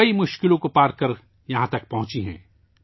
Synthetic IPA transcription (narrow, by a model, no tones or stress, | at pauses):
ɐimʊʃkɪlõkopaːɾkɐɾ | jɐɦãt̪ɐk̚pɐɦʊ̃t͡ʃiɦɛ̰̃ː